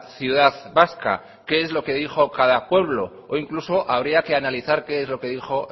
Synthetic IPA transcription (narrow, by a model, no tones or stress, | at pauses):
θjuðaðβaska̰ | ke̞ezlo̞ke̞ðixo̞kaðapwe̞β̞lo̞ | oiŋkluso̞ʔaβ̞ɾiake̞analiθaɾke̞ezlo̞ke̞ðixo̞